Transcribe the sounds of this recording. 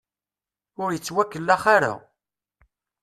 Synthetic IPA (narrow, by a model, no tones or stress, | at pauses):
ʊɾjət͡sːwækːəlːaχaɾa̰